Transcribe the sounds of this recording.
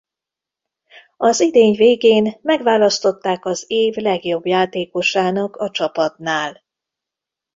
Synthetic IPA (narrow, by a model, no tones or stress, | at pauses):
ɒzid̪eːɲveːɡeːnmɛɡvaːlɒst̪o̞t̪ːaːkɒzeːvlɛɡjo̞bjaːt̪eːko̞ʃaːnɒkɒt͡ʃɒpɒt̪naːl